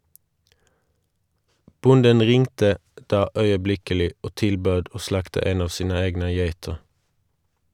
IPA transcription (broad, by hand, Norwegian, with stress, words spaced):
ˈbʊndən ˈʁɪŋtə ˈdɑː œʏəˈblɪkəlɪ ˈoː ˈtɪlˌbøːd ˈoː ˈslɑktə ˈeːn ˈɑːʋ ˈsiːnə ˈeːɡnə ˈjeɪtəʁ